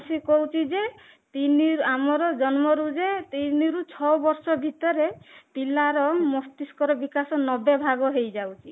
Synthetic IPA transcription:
sikoɦwt͡ʃʰid͡ʒe | t̪iniɾamɔɾɔd͡ʒɔnmɔɾud͡ʒet̪iniɾut͡ʃʰɔbɔɾsɔbʱit̪ɔɾep̪ilaɾɔmɔst̪iskɔɾɔbikasɔnɔbebʱaɡɔɦejd͡ʒawt͡ʃʰi

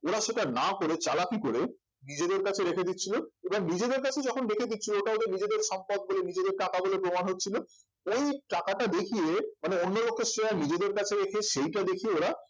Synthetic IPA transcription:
oɾaʃeʈanakoɾet͡ɕalakikoɾe | nid͡ʑed̪eɾkat͡ɕʰeɾekʰed̪itːɕʰiloeboŋnid͡ʑed̪eɾkat͡ɕʰed͡ʑɔkʰonɾekʰed̪it̪ːɕʰilooʈaod̪eɾnid͡ʑed̪eɾʃɔmpɔd̪̚bolenid͡ʑed̪eɾʈakabolepɾomanɦotːɕʰilo | ojʈakaʈad̪ekʰijemaneonːolokʰːesɾeanid͡ʑed̪eɾkat͡ɕʰeɾekʰeʃejʈad̪ekʰieoɾa

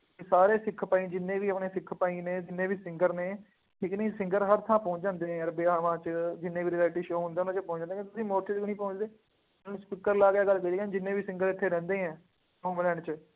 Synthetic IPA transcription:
saːɾeːsɪkʰːpaːĩːd͡ʒɪnːẽːʋiːəpneːsɪkʰːpaːĩːneːd͡ʒɪnːẽːbiːsɪ̃ŋɡəɾneː | ʈɪknəĩːsɪ̃ŋɡəɾɦəɾt̪ʰãːpɔ̃ːt͡ʃd͡ʒãːnd̪eːɦɛ̃ːəɾbeːaːʋãːt͡ʃd͡ʒɪnːẽːʋiːɾiɛːlʈiːʃoːɦʊ̃nd̪eːʊnãːt͡ʃəpɔ̃ːɲt͡ʃd͡ʒãːnd̪ẽẽt̪ʊsĩːmoːɾʈəd͡ʒɡnĩːpõːt͡ʃd̪eː | nũspɪkːəɾlaːɡɪjaːɡəlkəid̪aːnd͡ʒɪnːẽːbiːsɪ̃ŋɡəɾɪt̪ʰːeːɾɛ̃ːnd̪eːɦɛ̃ː | õːməlɛːɳt͡ʃə

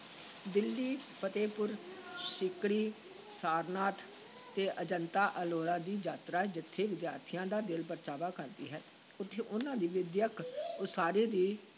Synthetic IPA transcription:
d̪ɪlːiːpət̪eːpʊɾʃɪkɾiː | saːɾnaːt̪ | t̪eːʔəd͡ʒənt̪aːʔəloːɾãːd̪iːd͡ʒaːt̪ɾaːd͡ʒɪt̪ʰːeːʋɪd̪ja̰ːɾt̪ʰijãːd̪aːd̪ɪlpəɾt͡ʃaːʋaːkəɾd̪ḭːɦɛː | ʊt̪ʰːeːʔʊnãːd̪iːʋɪd̪jəksaːɾeːd̪iː

